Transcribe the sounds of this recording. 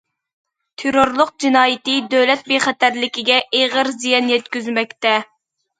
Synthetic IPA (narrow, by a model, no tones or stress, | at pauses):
t̪ʰeɾoɾlˠʊq̚d͡ʒinɑːjɪt̪ɨd̪øwlɛt̪̚beχæt̪æɾlɪkʲiɡʲɛʔeʁəɾzijɑnjɛt̪kʲyzmɛk̚ʲt̪ɛ